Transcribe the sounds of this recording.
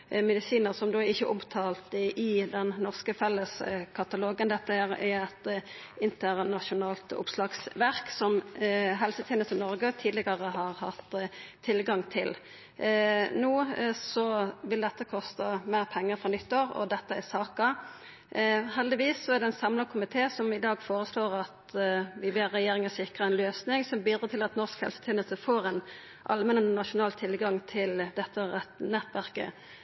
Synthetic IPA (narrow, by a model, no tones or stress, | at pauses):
mɛd̪ɪsiːnəʁsɔmd̪oːɪçːəʔʊmt̪ʰɑːlt̪ʔɪd̪ɛnːɔʁskəfɛlːəskʰɑt̪ɑloːɡənd̪ɛt̪ːəæʁɛɛt̪ɪnt̪əʁnɑʃʊnɑːlt̪ʊ̰pslɑːɡsʋæʁksɔmɦɛlsət̪ʰɛːnəst̪ənɔʁɡət̪ʰiːd̪lɪɡɑʁəɦɑʁhɑt̪ʰːɪlɡɑŋt̪ʰɪl | nuːsɔʋɪld̪ɛt̪ːəkʰɔst̪ɑmæːʁpʰɛŋːəɾfɾʁɔnʏt̪ːoːɾɔ̰d̪ɛt̪ːəæsɑːkɑ | hɛld̪ɪʋiːsːɔæʁd̪ɛnsɑmlɑkʰʊmɪt̪ʰeːsɔmɪd̪ɑːɡfoːɾəsloːʁɑt̪ʋɪbeɾɛjeːɾɪŋəsɪkʁəɛnløːsnɪŋsɔmbyːd̪ɾət̪ʰɪlɑt̪nɔʁskhɛ̰lsət̪ʰeːnəlsəfoːʁɛn | ʔɑ̰lmɛnənɑʃʊnɑːlt̪ʰɪlɡɑŋt̪ʰɪld̪ɛt̪ːəɛt̪nɛt̪ːʋæʁkə̰